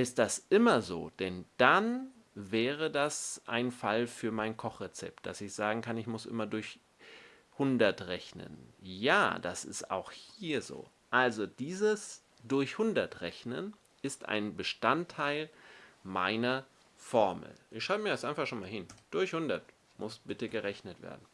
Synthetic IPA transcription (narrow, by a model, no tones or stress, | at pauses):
ʔɪst̚d̥asʔɪmɐzo̰ːd̥ɛnd̥an | vɛːʁ̞ədasʔa̰ɪnfalfyːɐmaɪnkʰɔχʁet͡sɛ̰p̚t̚d̥a̰sɪçz̥aːɡŋ̩kanɪçmʊsʔɪ̰mɐdʊɐç | hʊndɐtʁɛçnə̰nja̰ːd̥a̰sɪ̰sta̰ʊxhiiːɐzo̰ː | ʔalzod̥iːzəs | d̥ʊɐçhʊndɐtʁɛçnə̰n | ʔɪstʔa̰ɪnbəʃtantʰːaɪlma̰ɪnɐ | fɔɐml̩ʔɪçʃaʊəmiːɐɛstʔaɪnfaχʃoːnmaːlɦɪnd̥ʊɐçhʊndɐt | mʊsb̥ɪtəɡəʁɛçnətv̥ḛːɐdn̩